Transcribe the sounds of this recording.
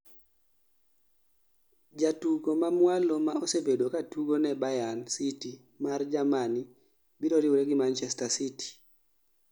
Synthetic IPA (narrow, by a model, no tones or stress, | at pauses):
d͡ʒatuɡomamwalomaosebedokatuɡonɛbajansiti | mard͡ʒamani | biɾɔɾiwɾɛɡimant͡ʃɛstasiti̥